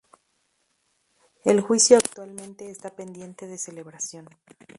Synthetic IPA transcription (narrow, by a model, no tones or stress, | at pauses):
elxwisjoakt̪walmẽnt̪e̞ːst̪ape̞nd̪je̞nt̪e̞ðe̞se̞le̞βɾasjo̞n